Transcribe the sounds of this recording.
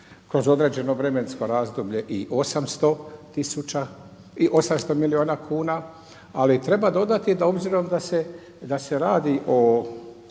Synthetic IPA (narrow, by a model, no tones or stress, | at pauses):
kɾo̞zo̞d̪ɾe̞d͡ʑe̞no̞ʋɾe̞me̞nsko̞ɾaːzd̪ubʎe̞ʔiʔo̞samst̪o̞t̪isut͡ʃa | iʔo̞samst̪o̞milio̞ːnakʰuːna | alit̪ɾe̞bad̪o̞d̪at̪id̪o̞bziɾo̞md̪ase | d̪ase̞ɾaːd̪iʔo̞